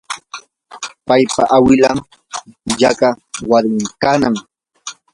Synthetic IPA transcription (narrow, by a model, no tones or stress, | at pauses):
pajpa̰ʔawɪlam | jaɢawaɾmɪŋkanaŋ